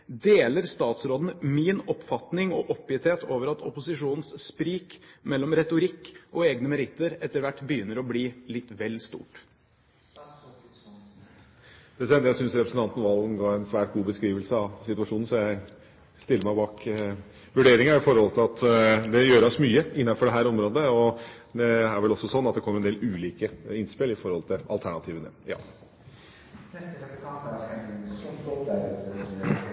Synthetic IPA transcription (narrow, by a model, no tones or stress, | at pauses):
d̪eːləɾst̪ɑːt̪sɾoːd̪n̩minɔpfɑt̪nɪŋɔʔɔpːɪɪt̪ʰeːt̪ʰoːʋəɾɑt̪ʰɔpʊsɪʂuːnən̩sspɾiːkmɛlːɔmɾɛt̪ʊɾɪkːʔɔeːɡnəmɛɾɪt̪ːəɾɛt̪ːəɾʋæʈːbəjʏnːəɾɔbliːlɪt̪ːʋɛlːst̪ṵːʈ | d̪̥ɛsɛnəjæsʏnsɾɛpɾəsn̩t̪ɑnt̪n̩ʋɑlˠɡ̪n̩ɡɑːɾɛnsʋæːʈ̚ɡuːbəskɾiːʋəlsəɑʋsɪt̪ʉʋɑʂuːnn̩sɔjæɪ | st̪ɪlːəɾmæɪbɑːk | ʋʉɖeːɾɪŋəæɾɪfɔɾhɔlt̪ʰɪlɑt̪d̪ɛjøːɾəɔsmyːəɪnːɑnfɔɖɛɦæːɾɔmɾoːd̪əɔd̪ɛæɾʋɛlɔsːɔsɔnːɑt̪̚d̪ɛkʰɔmːɾɛnd̪eːlʉːliːkəɪnspɪlɪfɔɾhɔlt̪ʰɪɑ̰lt̪ʰæɳɑt̪ʰiːʋənə̰jɑ̰ː